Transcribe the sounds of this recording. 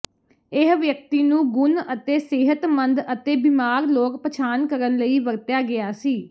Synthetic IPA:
ɪɦʋjək̚t̪iːnũːɡʊnət̪eːsɪɦət̪mənd̪ət̪eːbɪmaːɾloːkpət͡ʃʰaːnkəɾənləiːʋəɾt̪jaːɡɪaːsiː

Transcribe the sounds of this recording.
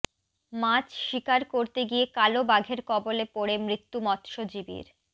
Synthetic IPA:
mat͡ɕʃikaɾkoɾt̪eɡiekalobaɡʱeɾkɔbolepoɽemɾit̪ːumɔt̪ʃod͡ʑibḭɾ

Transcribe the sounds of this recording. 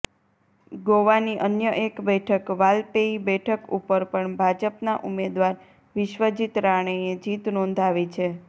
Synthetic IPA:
ɡoʋaniʔənjəʔekbɛʈʰəkʋalpeibɛʈʰəkupəɾpəɳbʱad͡ʒəpnaʔumed̪ʋaɾ | ʋɪʃʋəd͡ʒit̪ɾaɳ̃eed͡ʒit̪nɔ̃nd̪ʱaʋit͡ʃʰe

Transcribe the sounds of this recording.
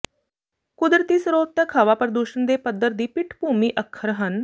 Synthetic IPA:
kʊd̪ɾət̪iːsɾoːt̪ːəkʰaʋapəɾəd̪uːʃənd̪eːpəd̪ːəɾd̪iːpɪʈʰbʱuːmiːʔəkʰːəɾɦən

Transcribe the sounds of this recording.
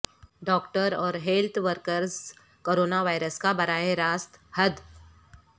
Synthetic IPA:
ɖɔːkʈəɾɔːɾɦeːlt̪ʰʋəɾkəɾz | koːɾoːnaʋaːɪɾəskabɐɾaːjeɾaːst̪hɐd̪

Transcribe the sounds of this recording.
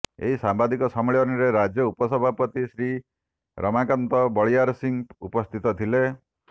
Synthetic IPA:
ḛɦisambad̪ikɔsɔmɭiɔniɾeɾad͡ʒjɔupɔsɔbʱapɔt̪isɾi | ɾɔmakɔnt̪ɔbɔɭiaɾsiŋṵpɔst̪ʰit̪ɔt̪ʰile

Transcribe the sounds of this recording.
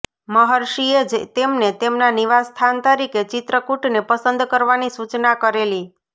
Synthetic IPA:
məɦəɾʃied͡ʒt̪emnet̪emnaniʋast̪ʰant̪əɾiket͡ʃɪt̪ɾəkuʈnepəsənd̪kəɾʋanisut͡ʃnakəɾeli

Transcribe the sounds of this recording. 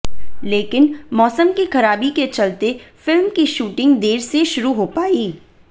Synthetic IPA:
leːkɪnmɔːsəmkixɐɾaːbiket͡ʃɐlt̪efɪlmkiʃuːʈɪ̃ŋɡd̪eːɾseʃʊɾuɦopaːiː

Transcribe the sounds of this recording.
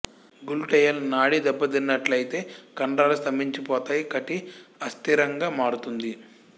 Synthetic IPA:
ɡulʈɛjɐlnaːɽid̪ɛbːɐd̪inːɐʈlɐjit̪e̞ːkɐɳɖaːlust̪ɐmbiɲt͡ʃipɔːt̪aːjikɐʈiɐst̪iɾɐŋɡaːmaːɽut̪und̪i

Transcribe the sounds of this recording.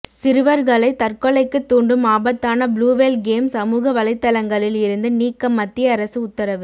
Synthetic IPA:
sɪɾɯʋɐɾɣɐɭɐɪt̪ɐrkɔɭɐɪkːɯt̪ːuːɳɖɯmaːbɐt̪ːaːnɐbɭuːʋelɡeːmsɐmuːɣɐʋɐlɐɪt̪ːɐlɐŋɡɐɭɪlɪɾɯnd̪ɯniːkːɐmːɐt̪ːɪjɐɐɾɐsɯʊt̪ːɐɾɐʋɯ

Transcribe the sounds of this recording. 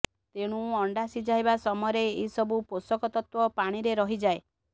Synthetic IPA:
t̪eɽ̃ũɔɳɖasid͡ʒaebasɔmɔjɾeːɦisɔbuposɔkɔt̪ɔt̪wɔpaɽ̃iɾeɾɔɦid͡ʒae

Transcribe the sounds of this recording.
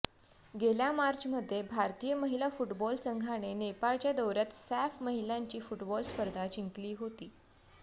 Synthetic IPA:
ɡeljamaɾt͡ɕm̤əd̪ʱːjebʱaɾt̪ijəməɦilafuʈbɔlsəŋɡʱaɽ̃enepaɭt͡ɕjad̪əwɾat̪sæfməɦiljaɲt͡ɕiːfuʈbɔlspəɾd̪ʱat͡ɕiŋkliːɦot̪iː

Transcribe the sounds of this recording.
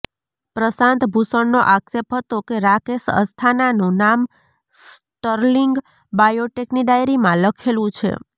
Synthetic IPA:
pɾəsãnt̪bʱusəɳnoʔaksep̚ɦət̪okeɾakesə̰st̪ʰananũnam | sʈəɾliŋɡ | bajoʈekniɖajɾimãləkʰelũt͡ʃʰḛ

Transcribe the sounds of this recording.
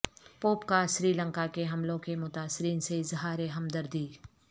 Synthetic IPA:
poːpkaʃɾiːlə̃ŋkakeɦɐmlõkemʊt̪aːsɪɾiːnseɪzɦaːɾeɦɐmd̪əɾd̪iː

